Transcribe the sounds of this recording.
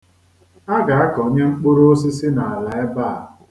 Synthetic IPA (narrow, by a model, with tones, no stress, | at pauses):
a˦ɡa˨a˦kɔ˨ɲe˦ŋ͡m̩˦k͡pʊ˦ɾo˦s̬ɪ˦sɪ˦na˨a˨la˨e˦ba˦a˨